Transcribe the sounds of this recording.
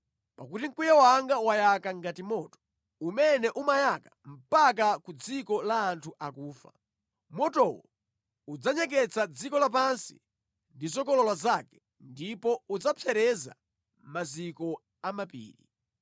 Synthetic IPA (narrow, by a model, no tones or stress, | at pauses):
pakutiŋ̩kujawaŋɡawajakaŋɡatimɔːtɔ̥ | umɛnɛʔumajakam̩pak̬akud͡zikɔlaːntʰuʔakuːfa̰ | mɔtɔwɔ | ud͡zaɲɛk̬ɛt͡sad͡zikɔlap̬ansḭ | ndizɔkɔlɔlwazakɛ̥ | ndipɔud͡zapʰjɛɾɛza̰ | mazikɔ | amapḭːɾḭ